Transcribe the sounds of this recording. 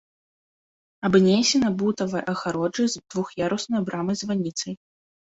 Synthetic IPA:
abnʲejsʲɛnɐbut̪ɐvɐjʔɐxaɾɔd͡ʐɨzd̪̥vuxjaɾusnɔjbɾʔamɨzvanʲit̪sɐj

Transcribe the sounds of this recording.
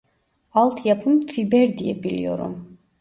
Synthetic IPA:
alˠt̪ʰjapʰəmfibɛɾd̪iɛbilj̰ɔ̰ɾɔ̰m

